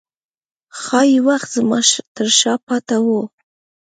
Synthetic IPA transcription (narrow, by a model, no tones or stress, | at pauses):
xɑjiwaxt̪zmɑt̪əɾʃɑpɑt̪awu